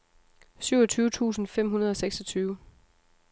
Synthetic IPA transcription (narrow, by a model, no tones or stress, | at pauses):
syʊ̰ɒ̽t͡sʰyːʊət͡sʰṵːsn̩fem̰ɦunɐð̞ˠɒ̽seɡ̥sɒt͡sʰyːʊ